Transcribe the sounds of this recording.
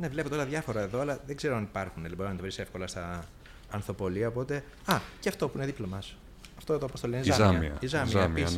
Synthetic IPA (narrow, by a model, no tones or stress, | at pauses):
ne̞vle̞pot̪eo̞lɐðʝɐfo̞ɾɐeðo̞ɐlɐðe̞ɡze̞ɾoɐnipɐɾxunelboɾinɐt̪ɐvɾise̞fko̞lɐst̪ɐː | nθo̞po̞liɐopo̞t̪e̞ | ɐceɐft̪o̞puineðiplomɐs | ɐft̪ot̪oɐpost̪olinzzɐmḭɐ̰izɐmiɐmis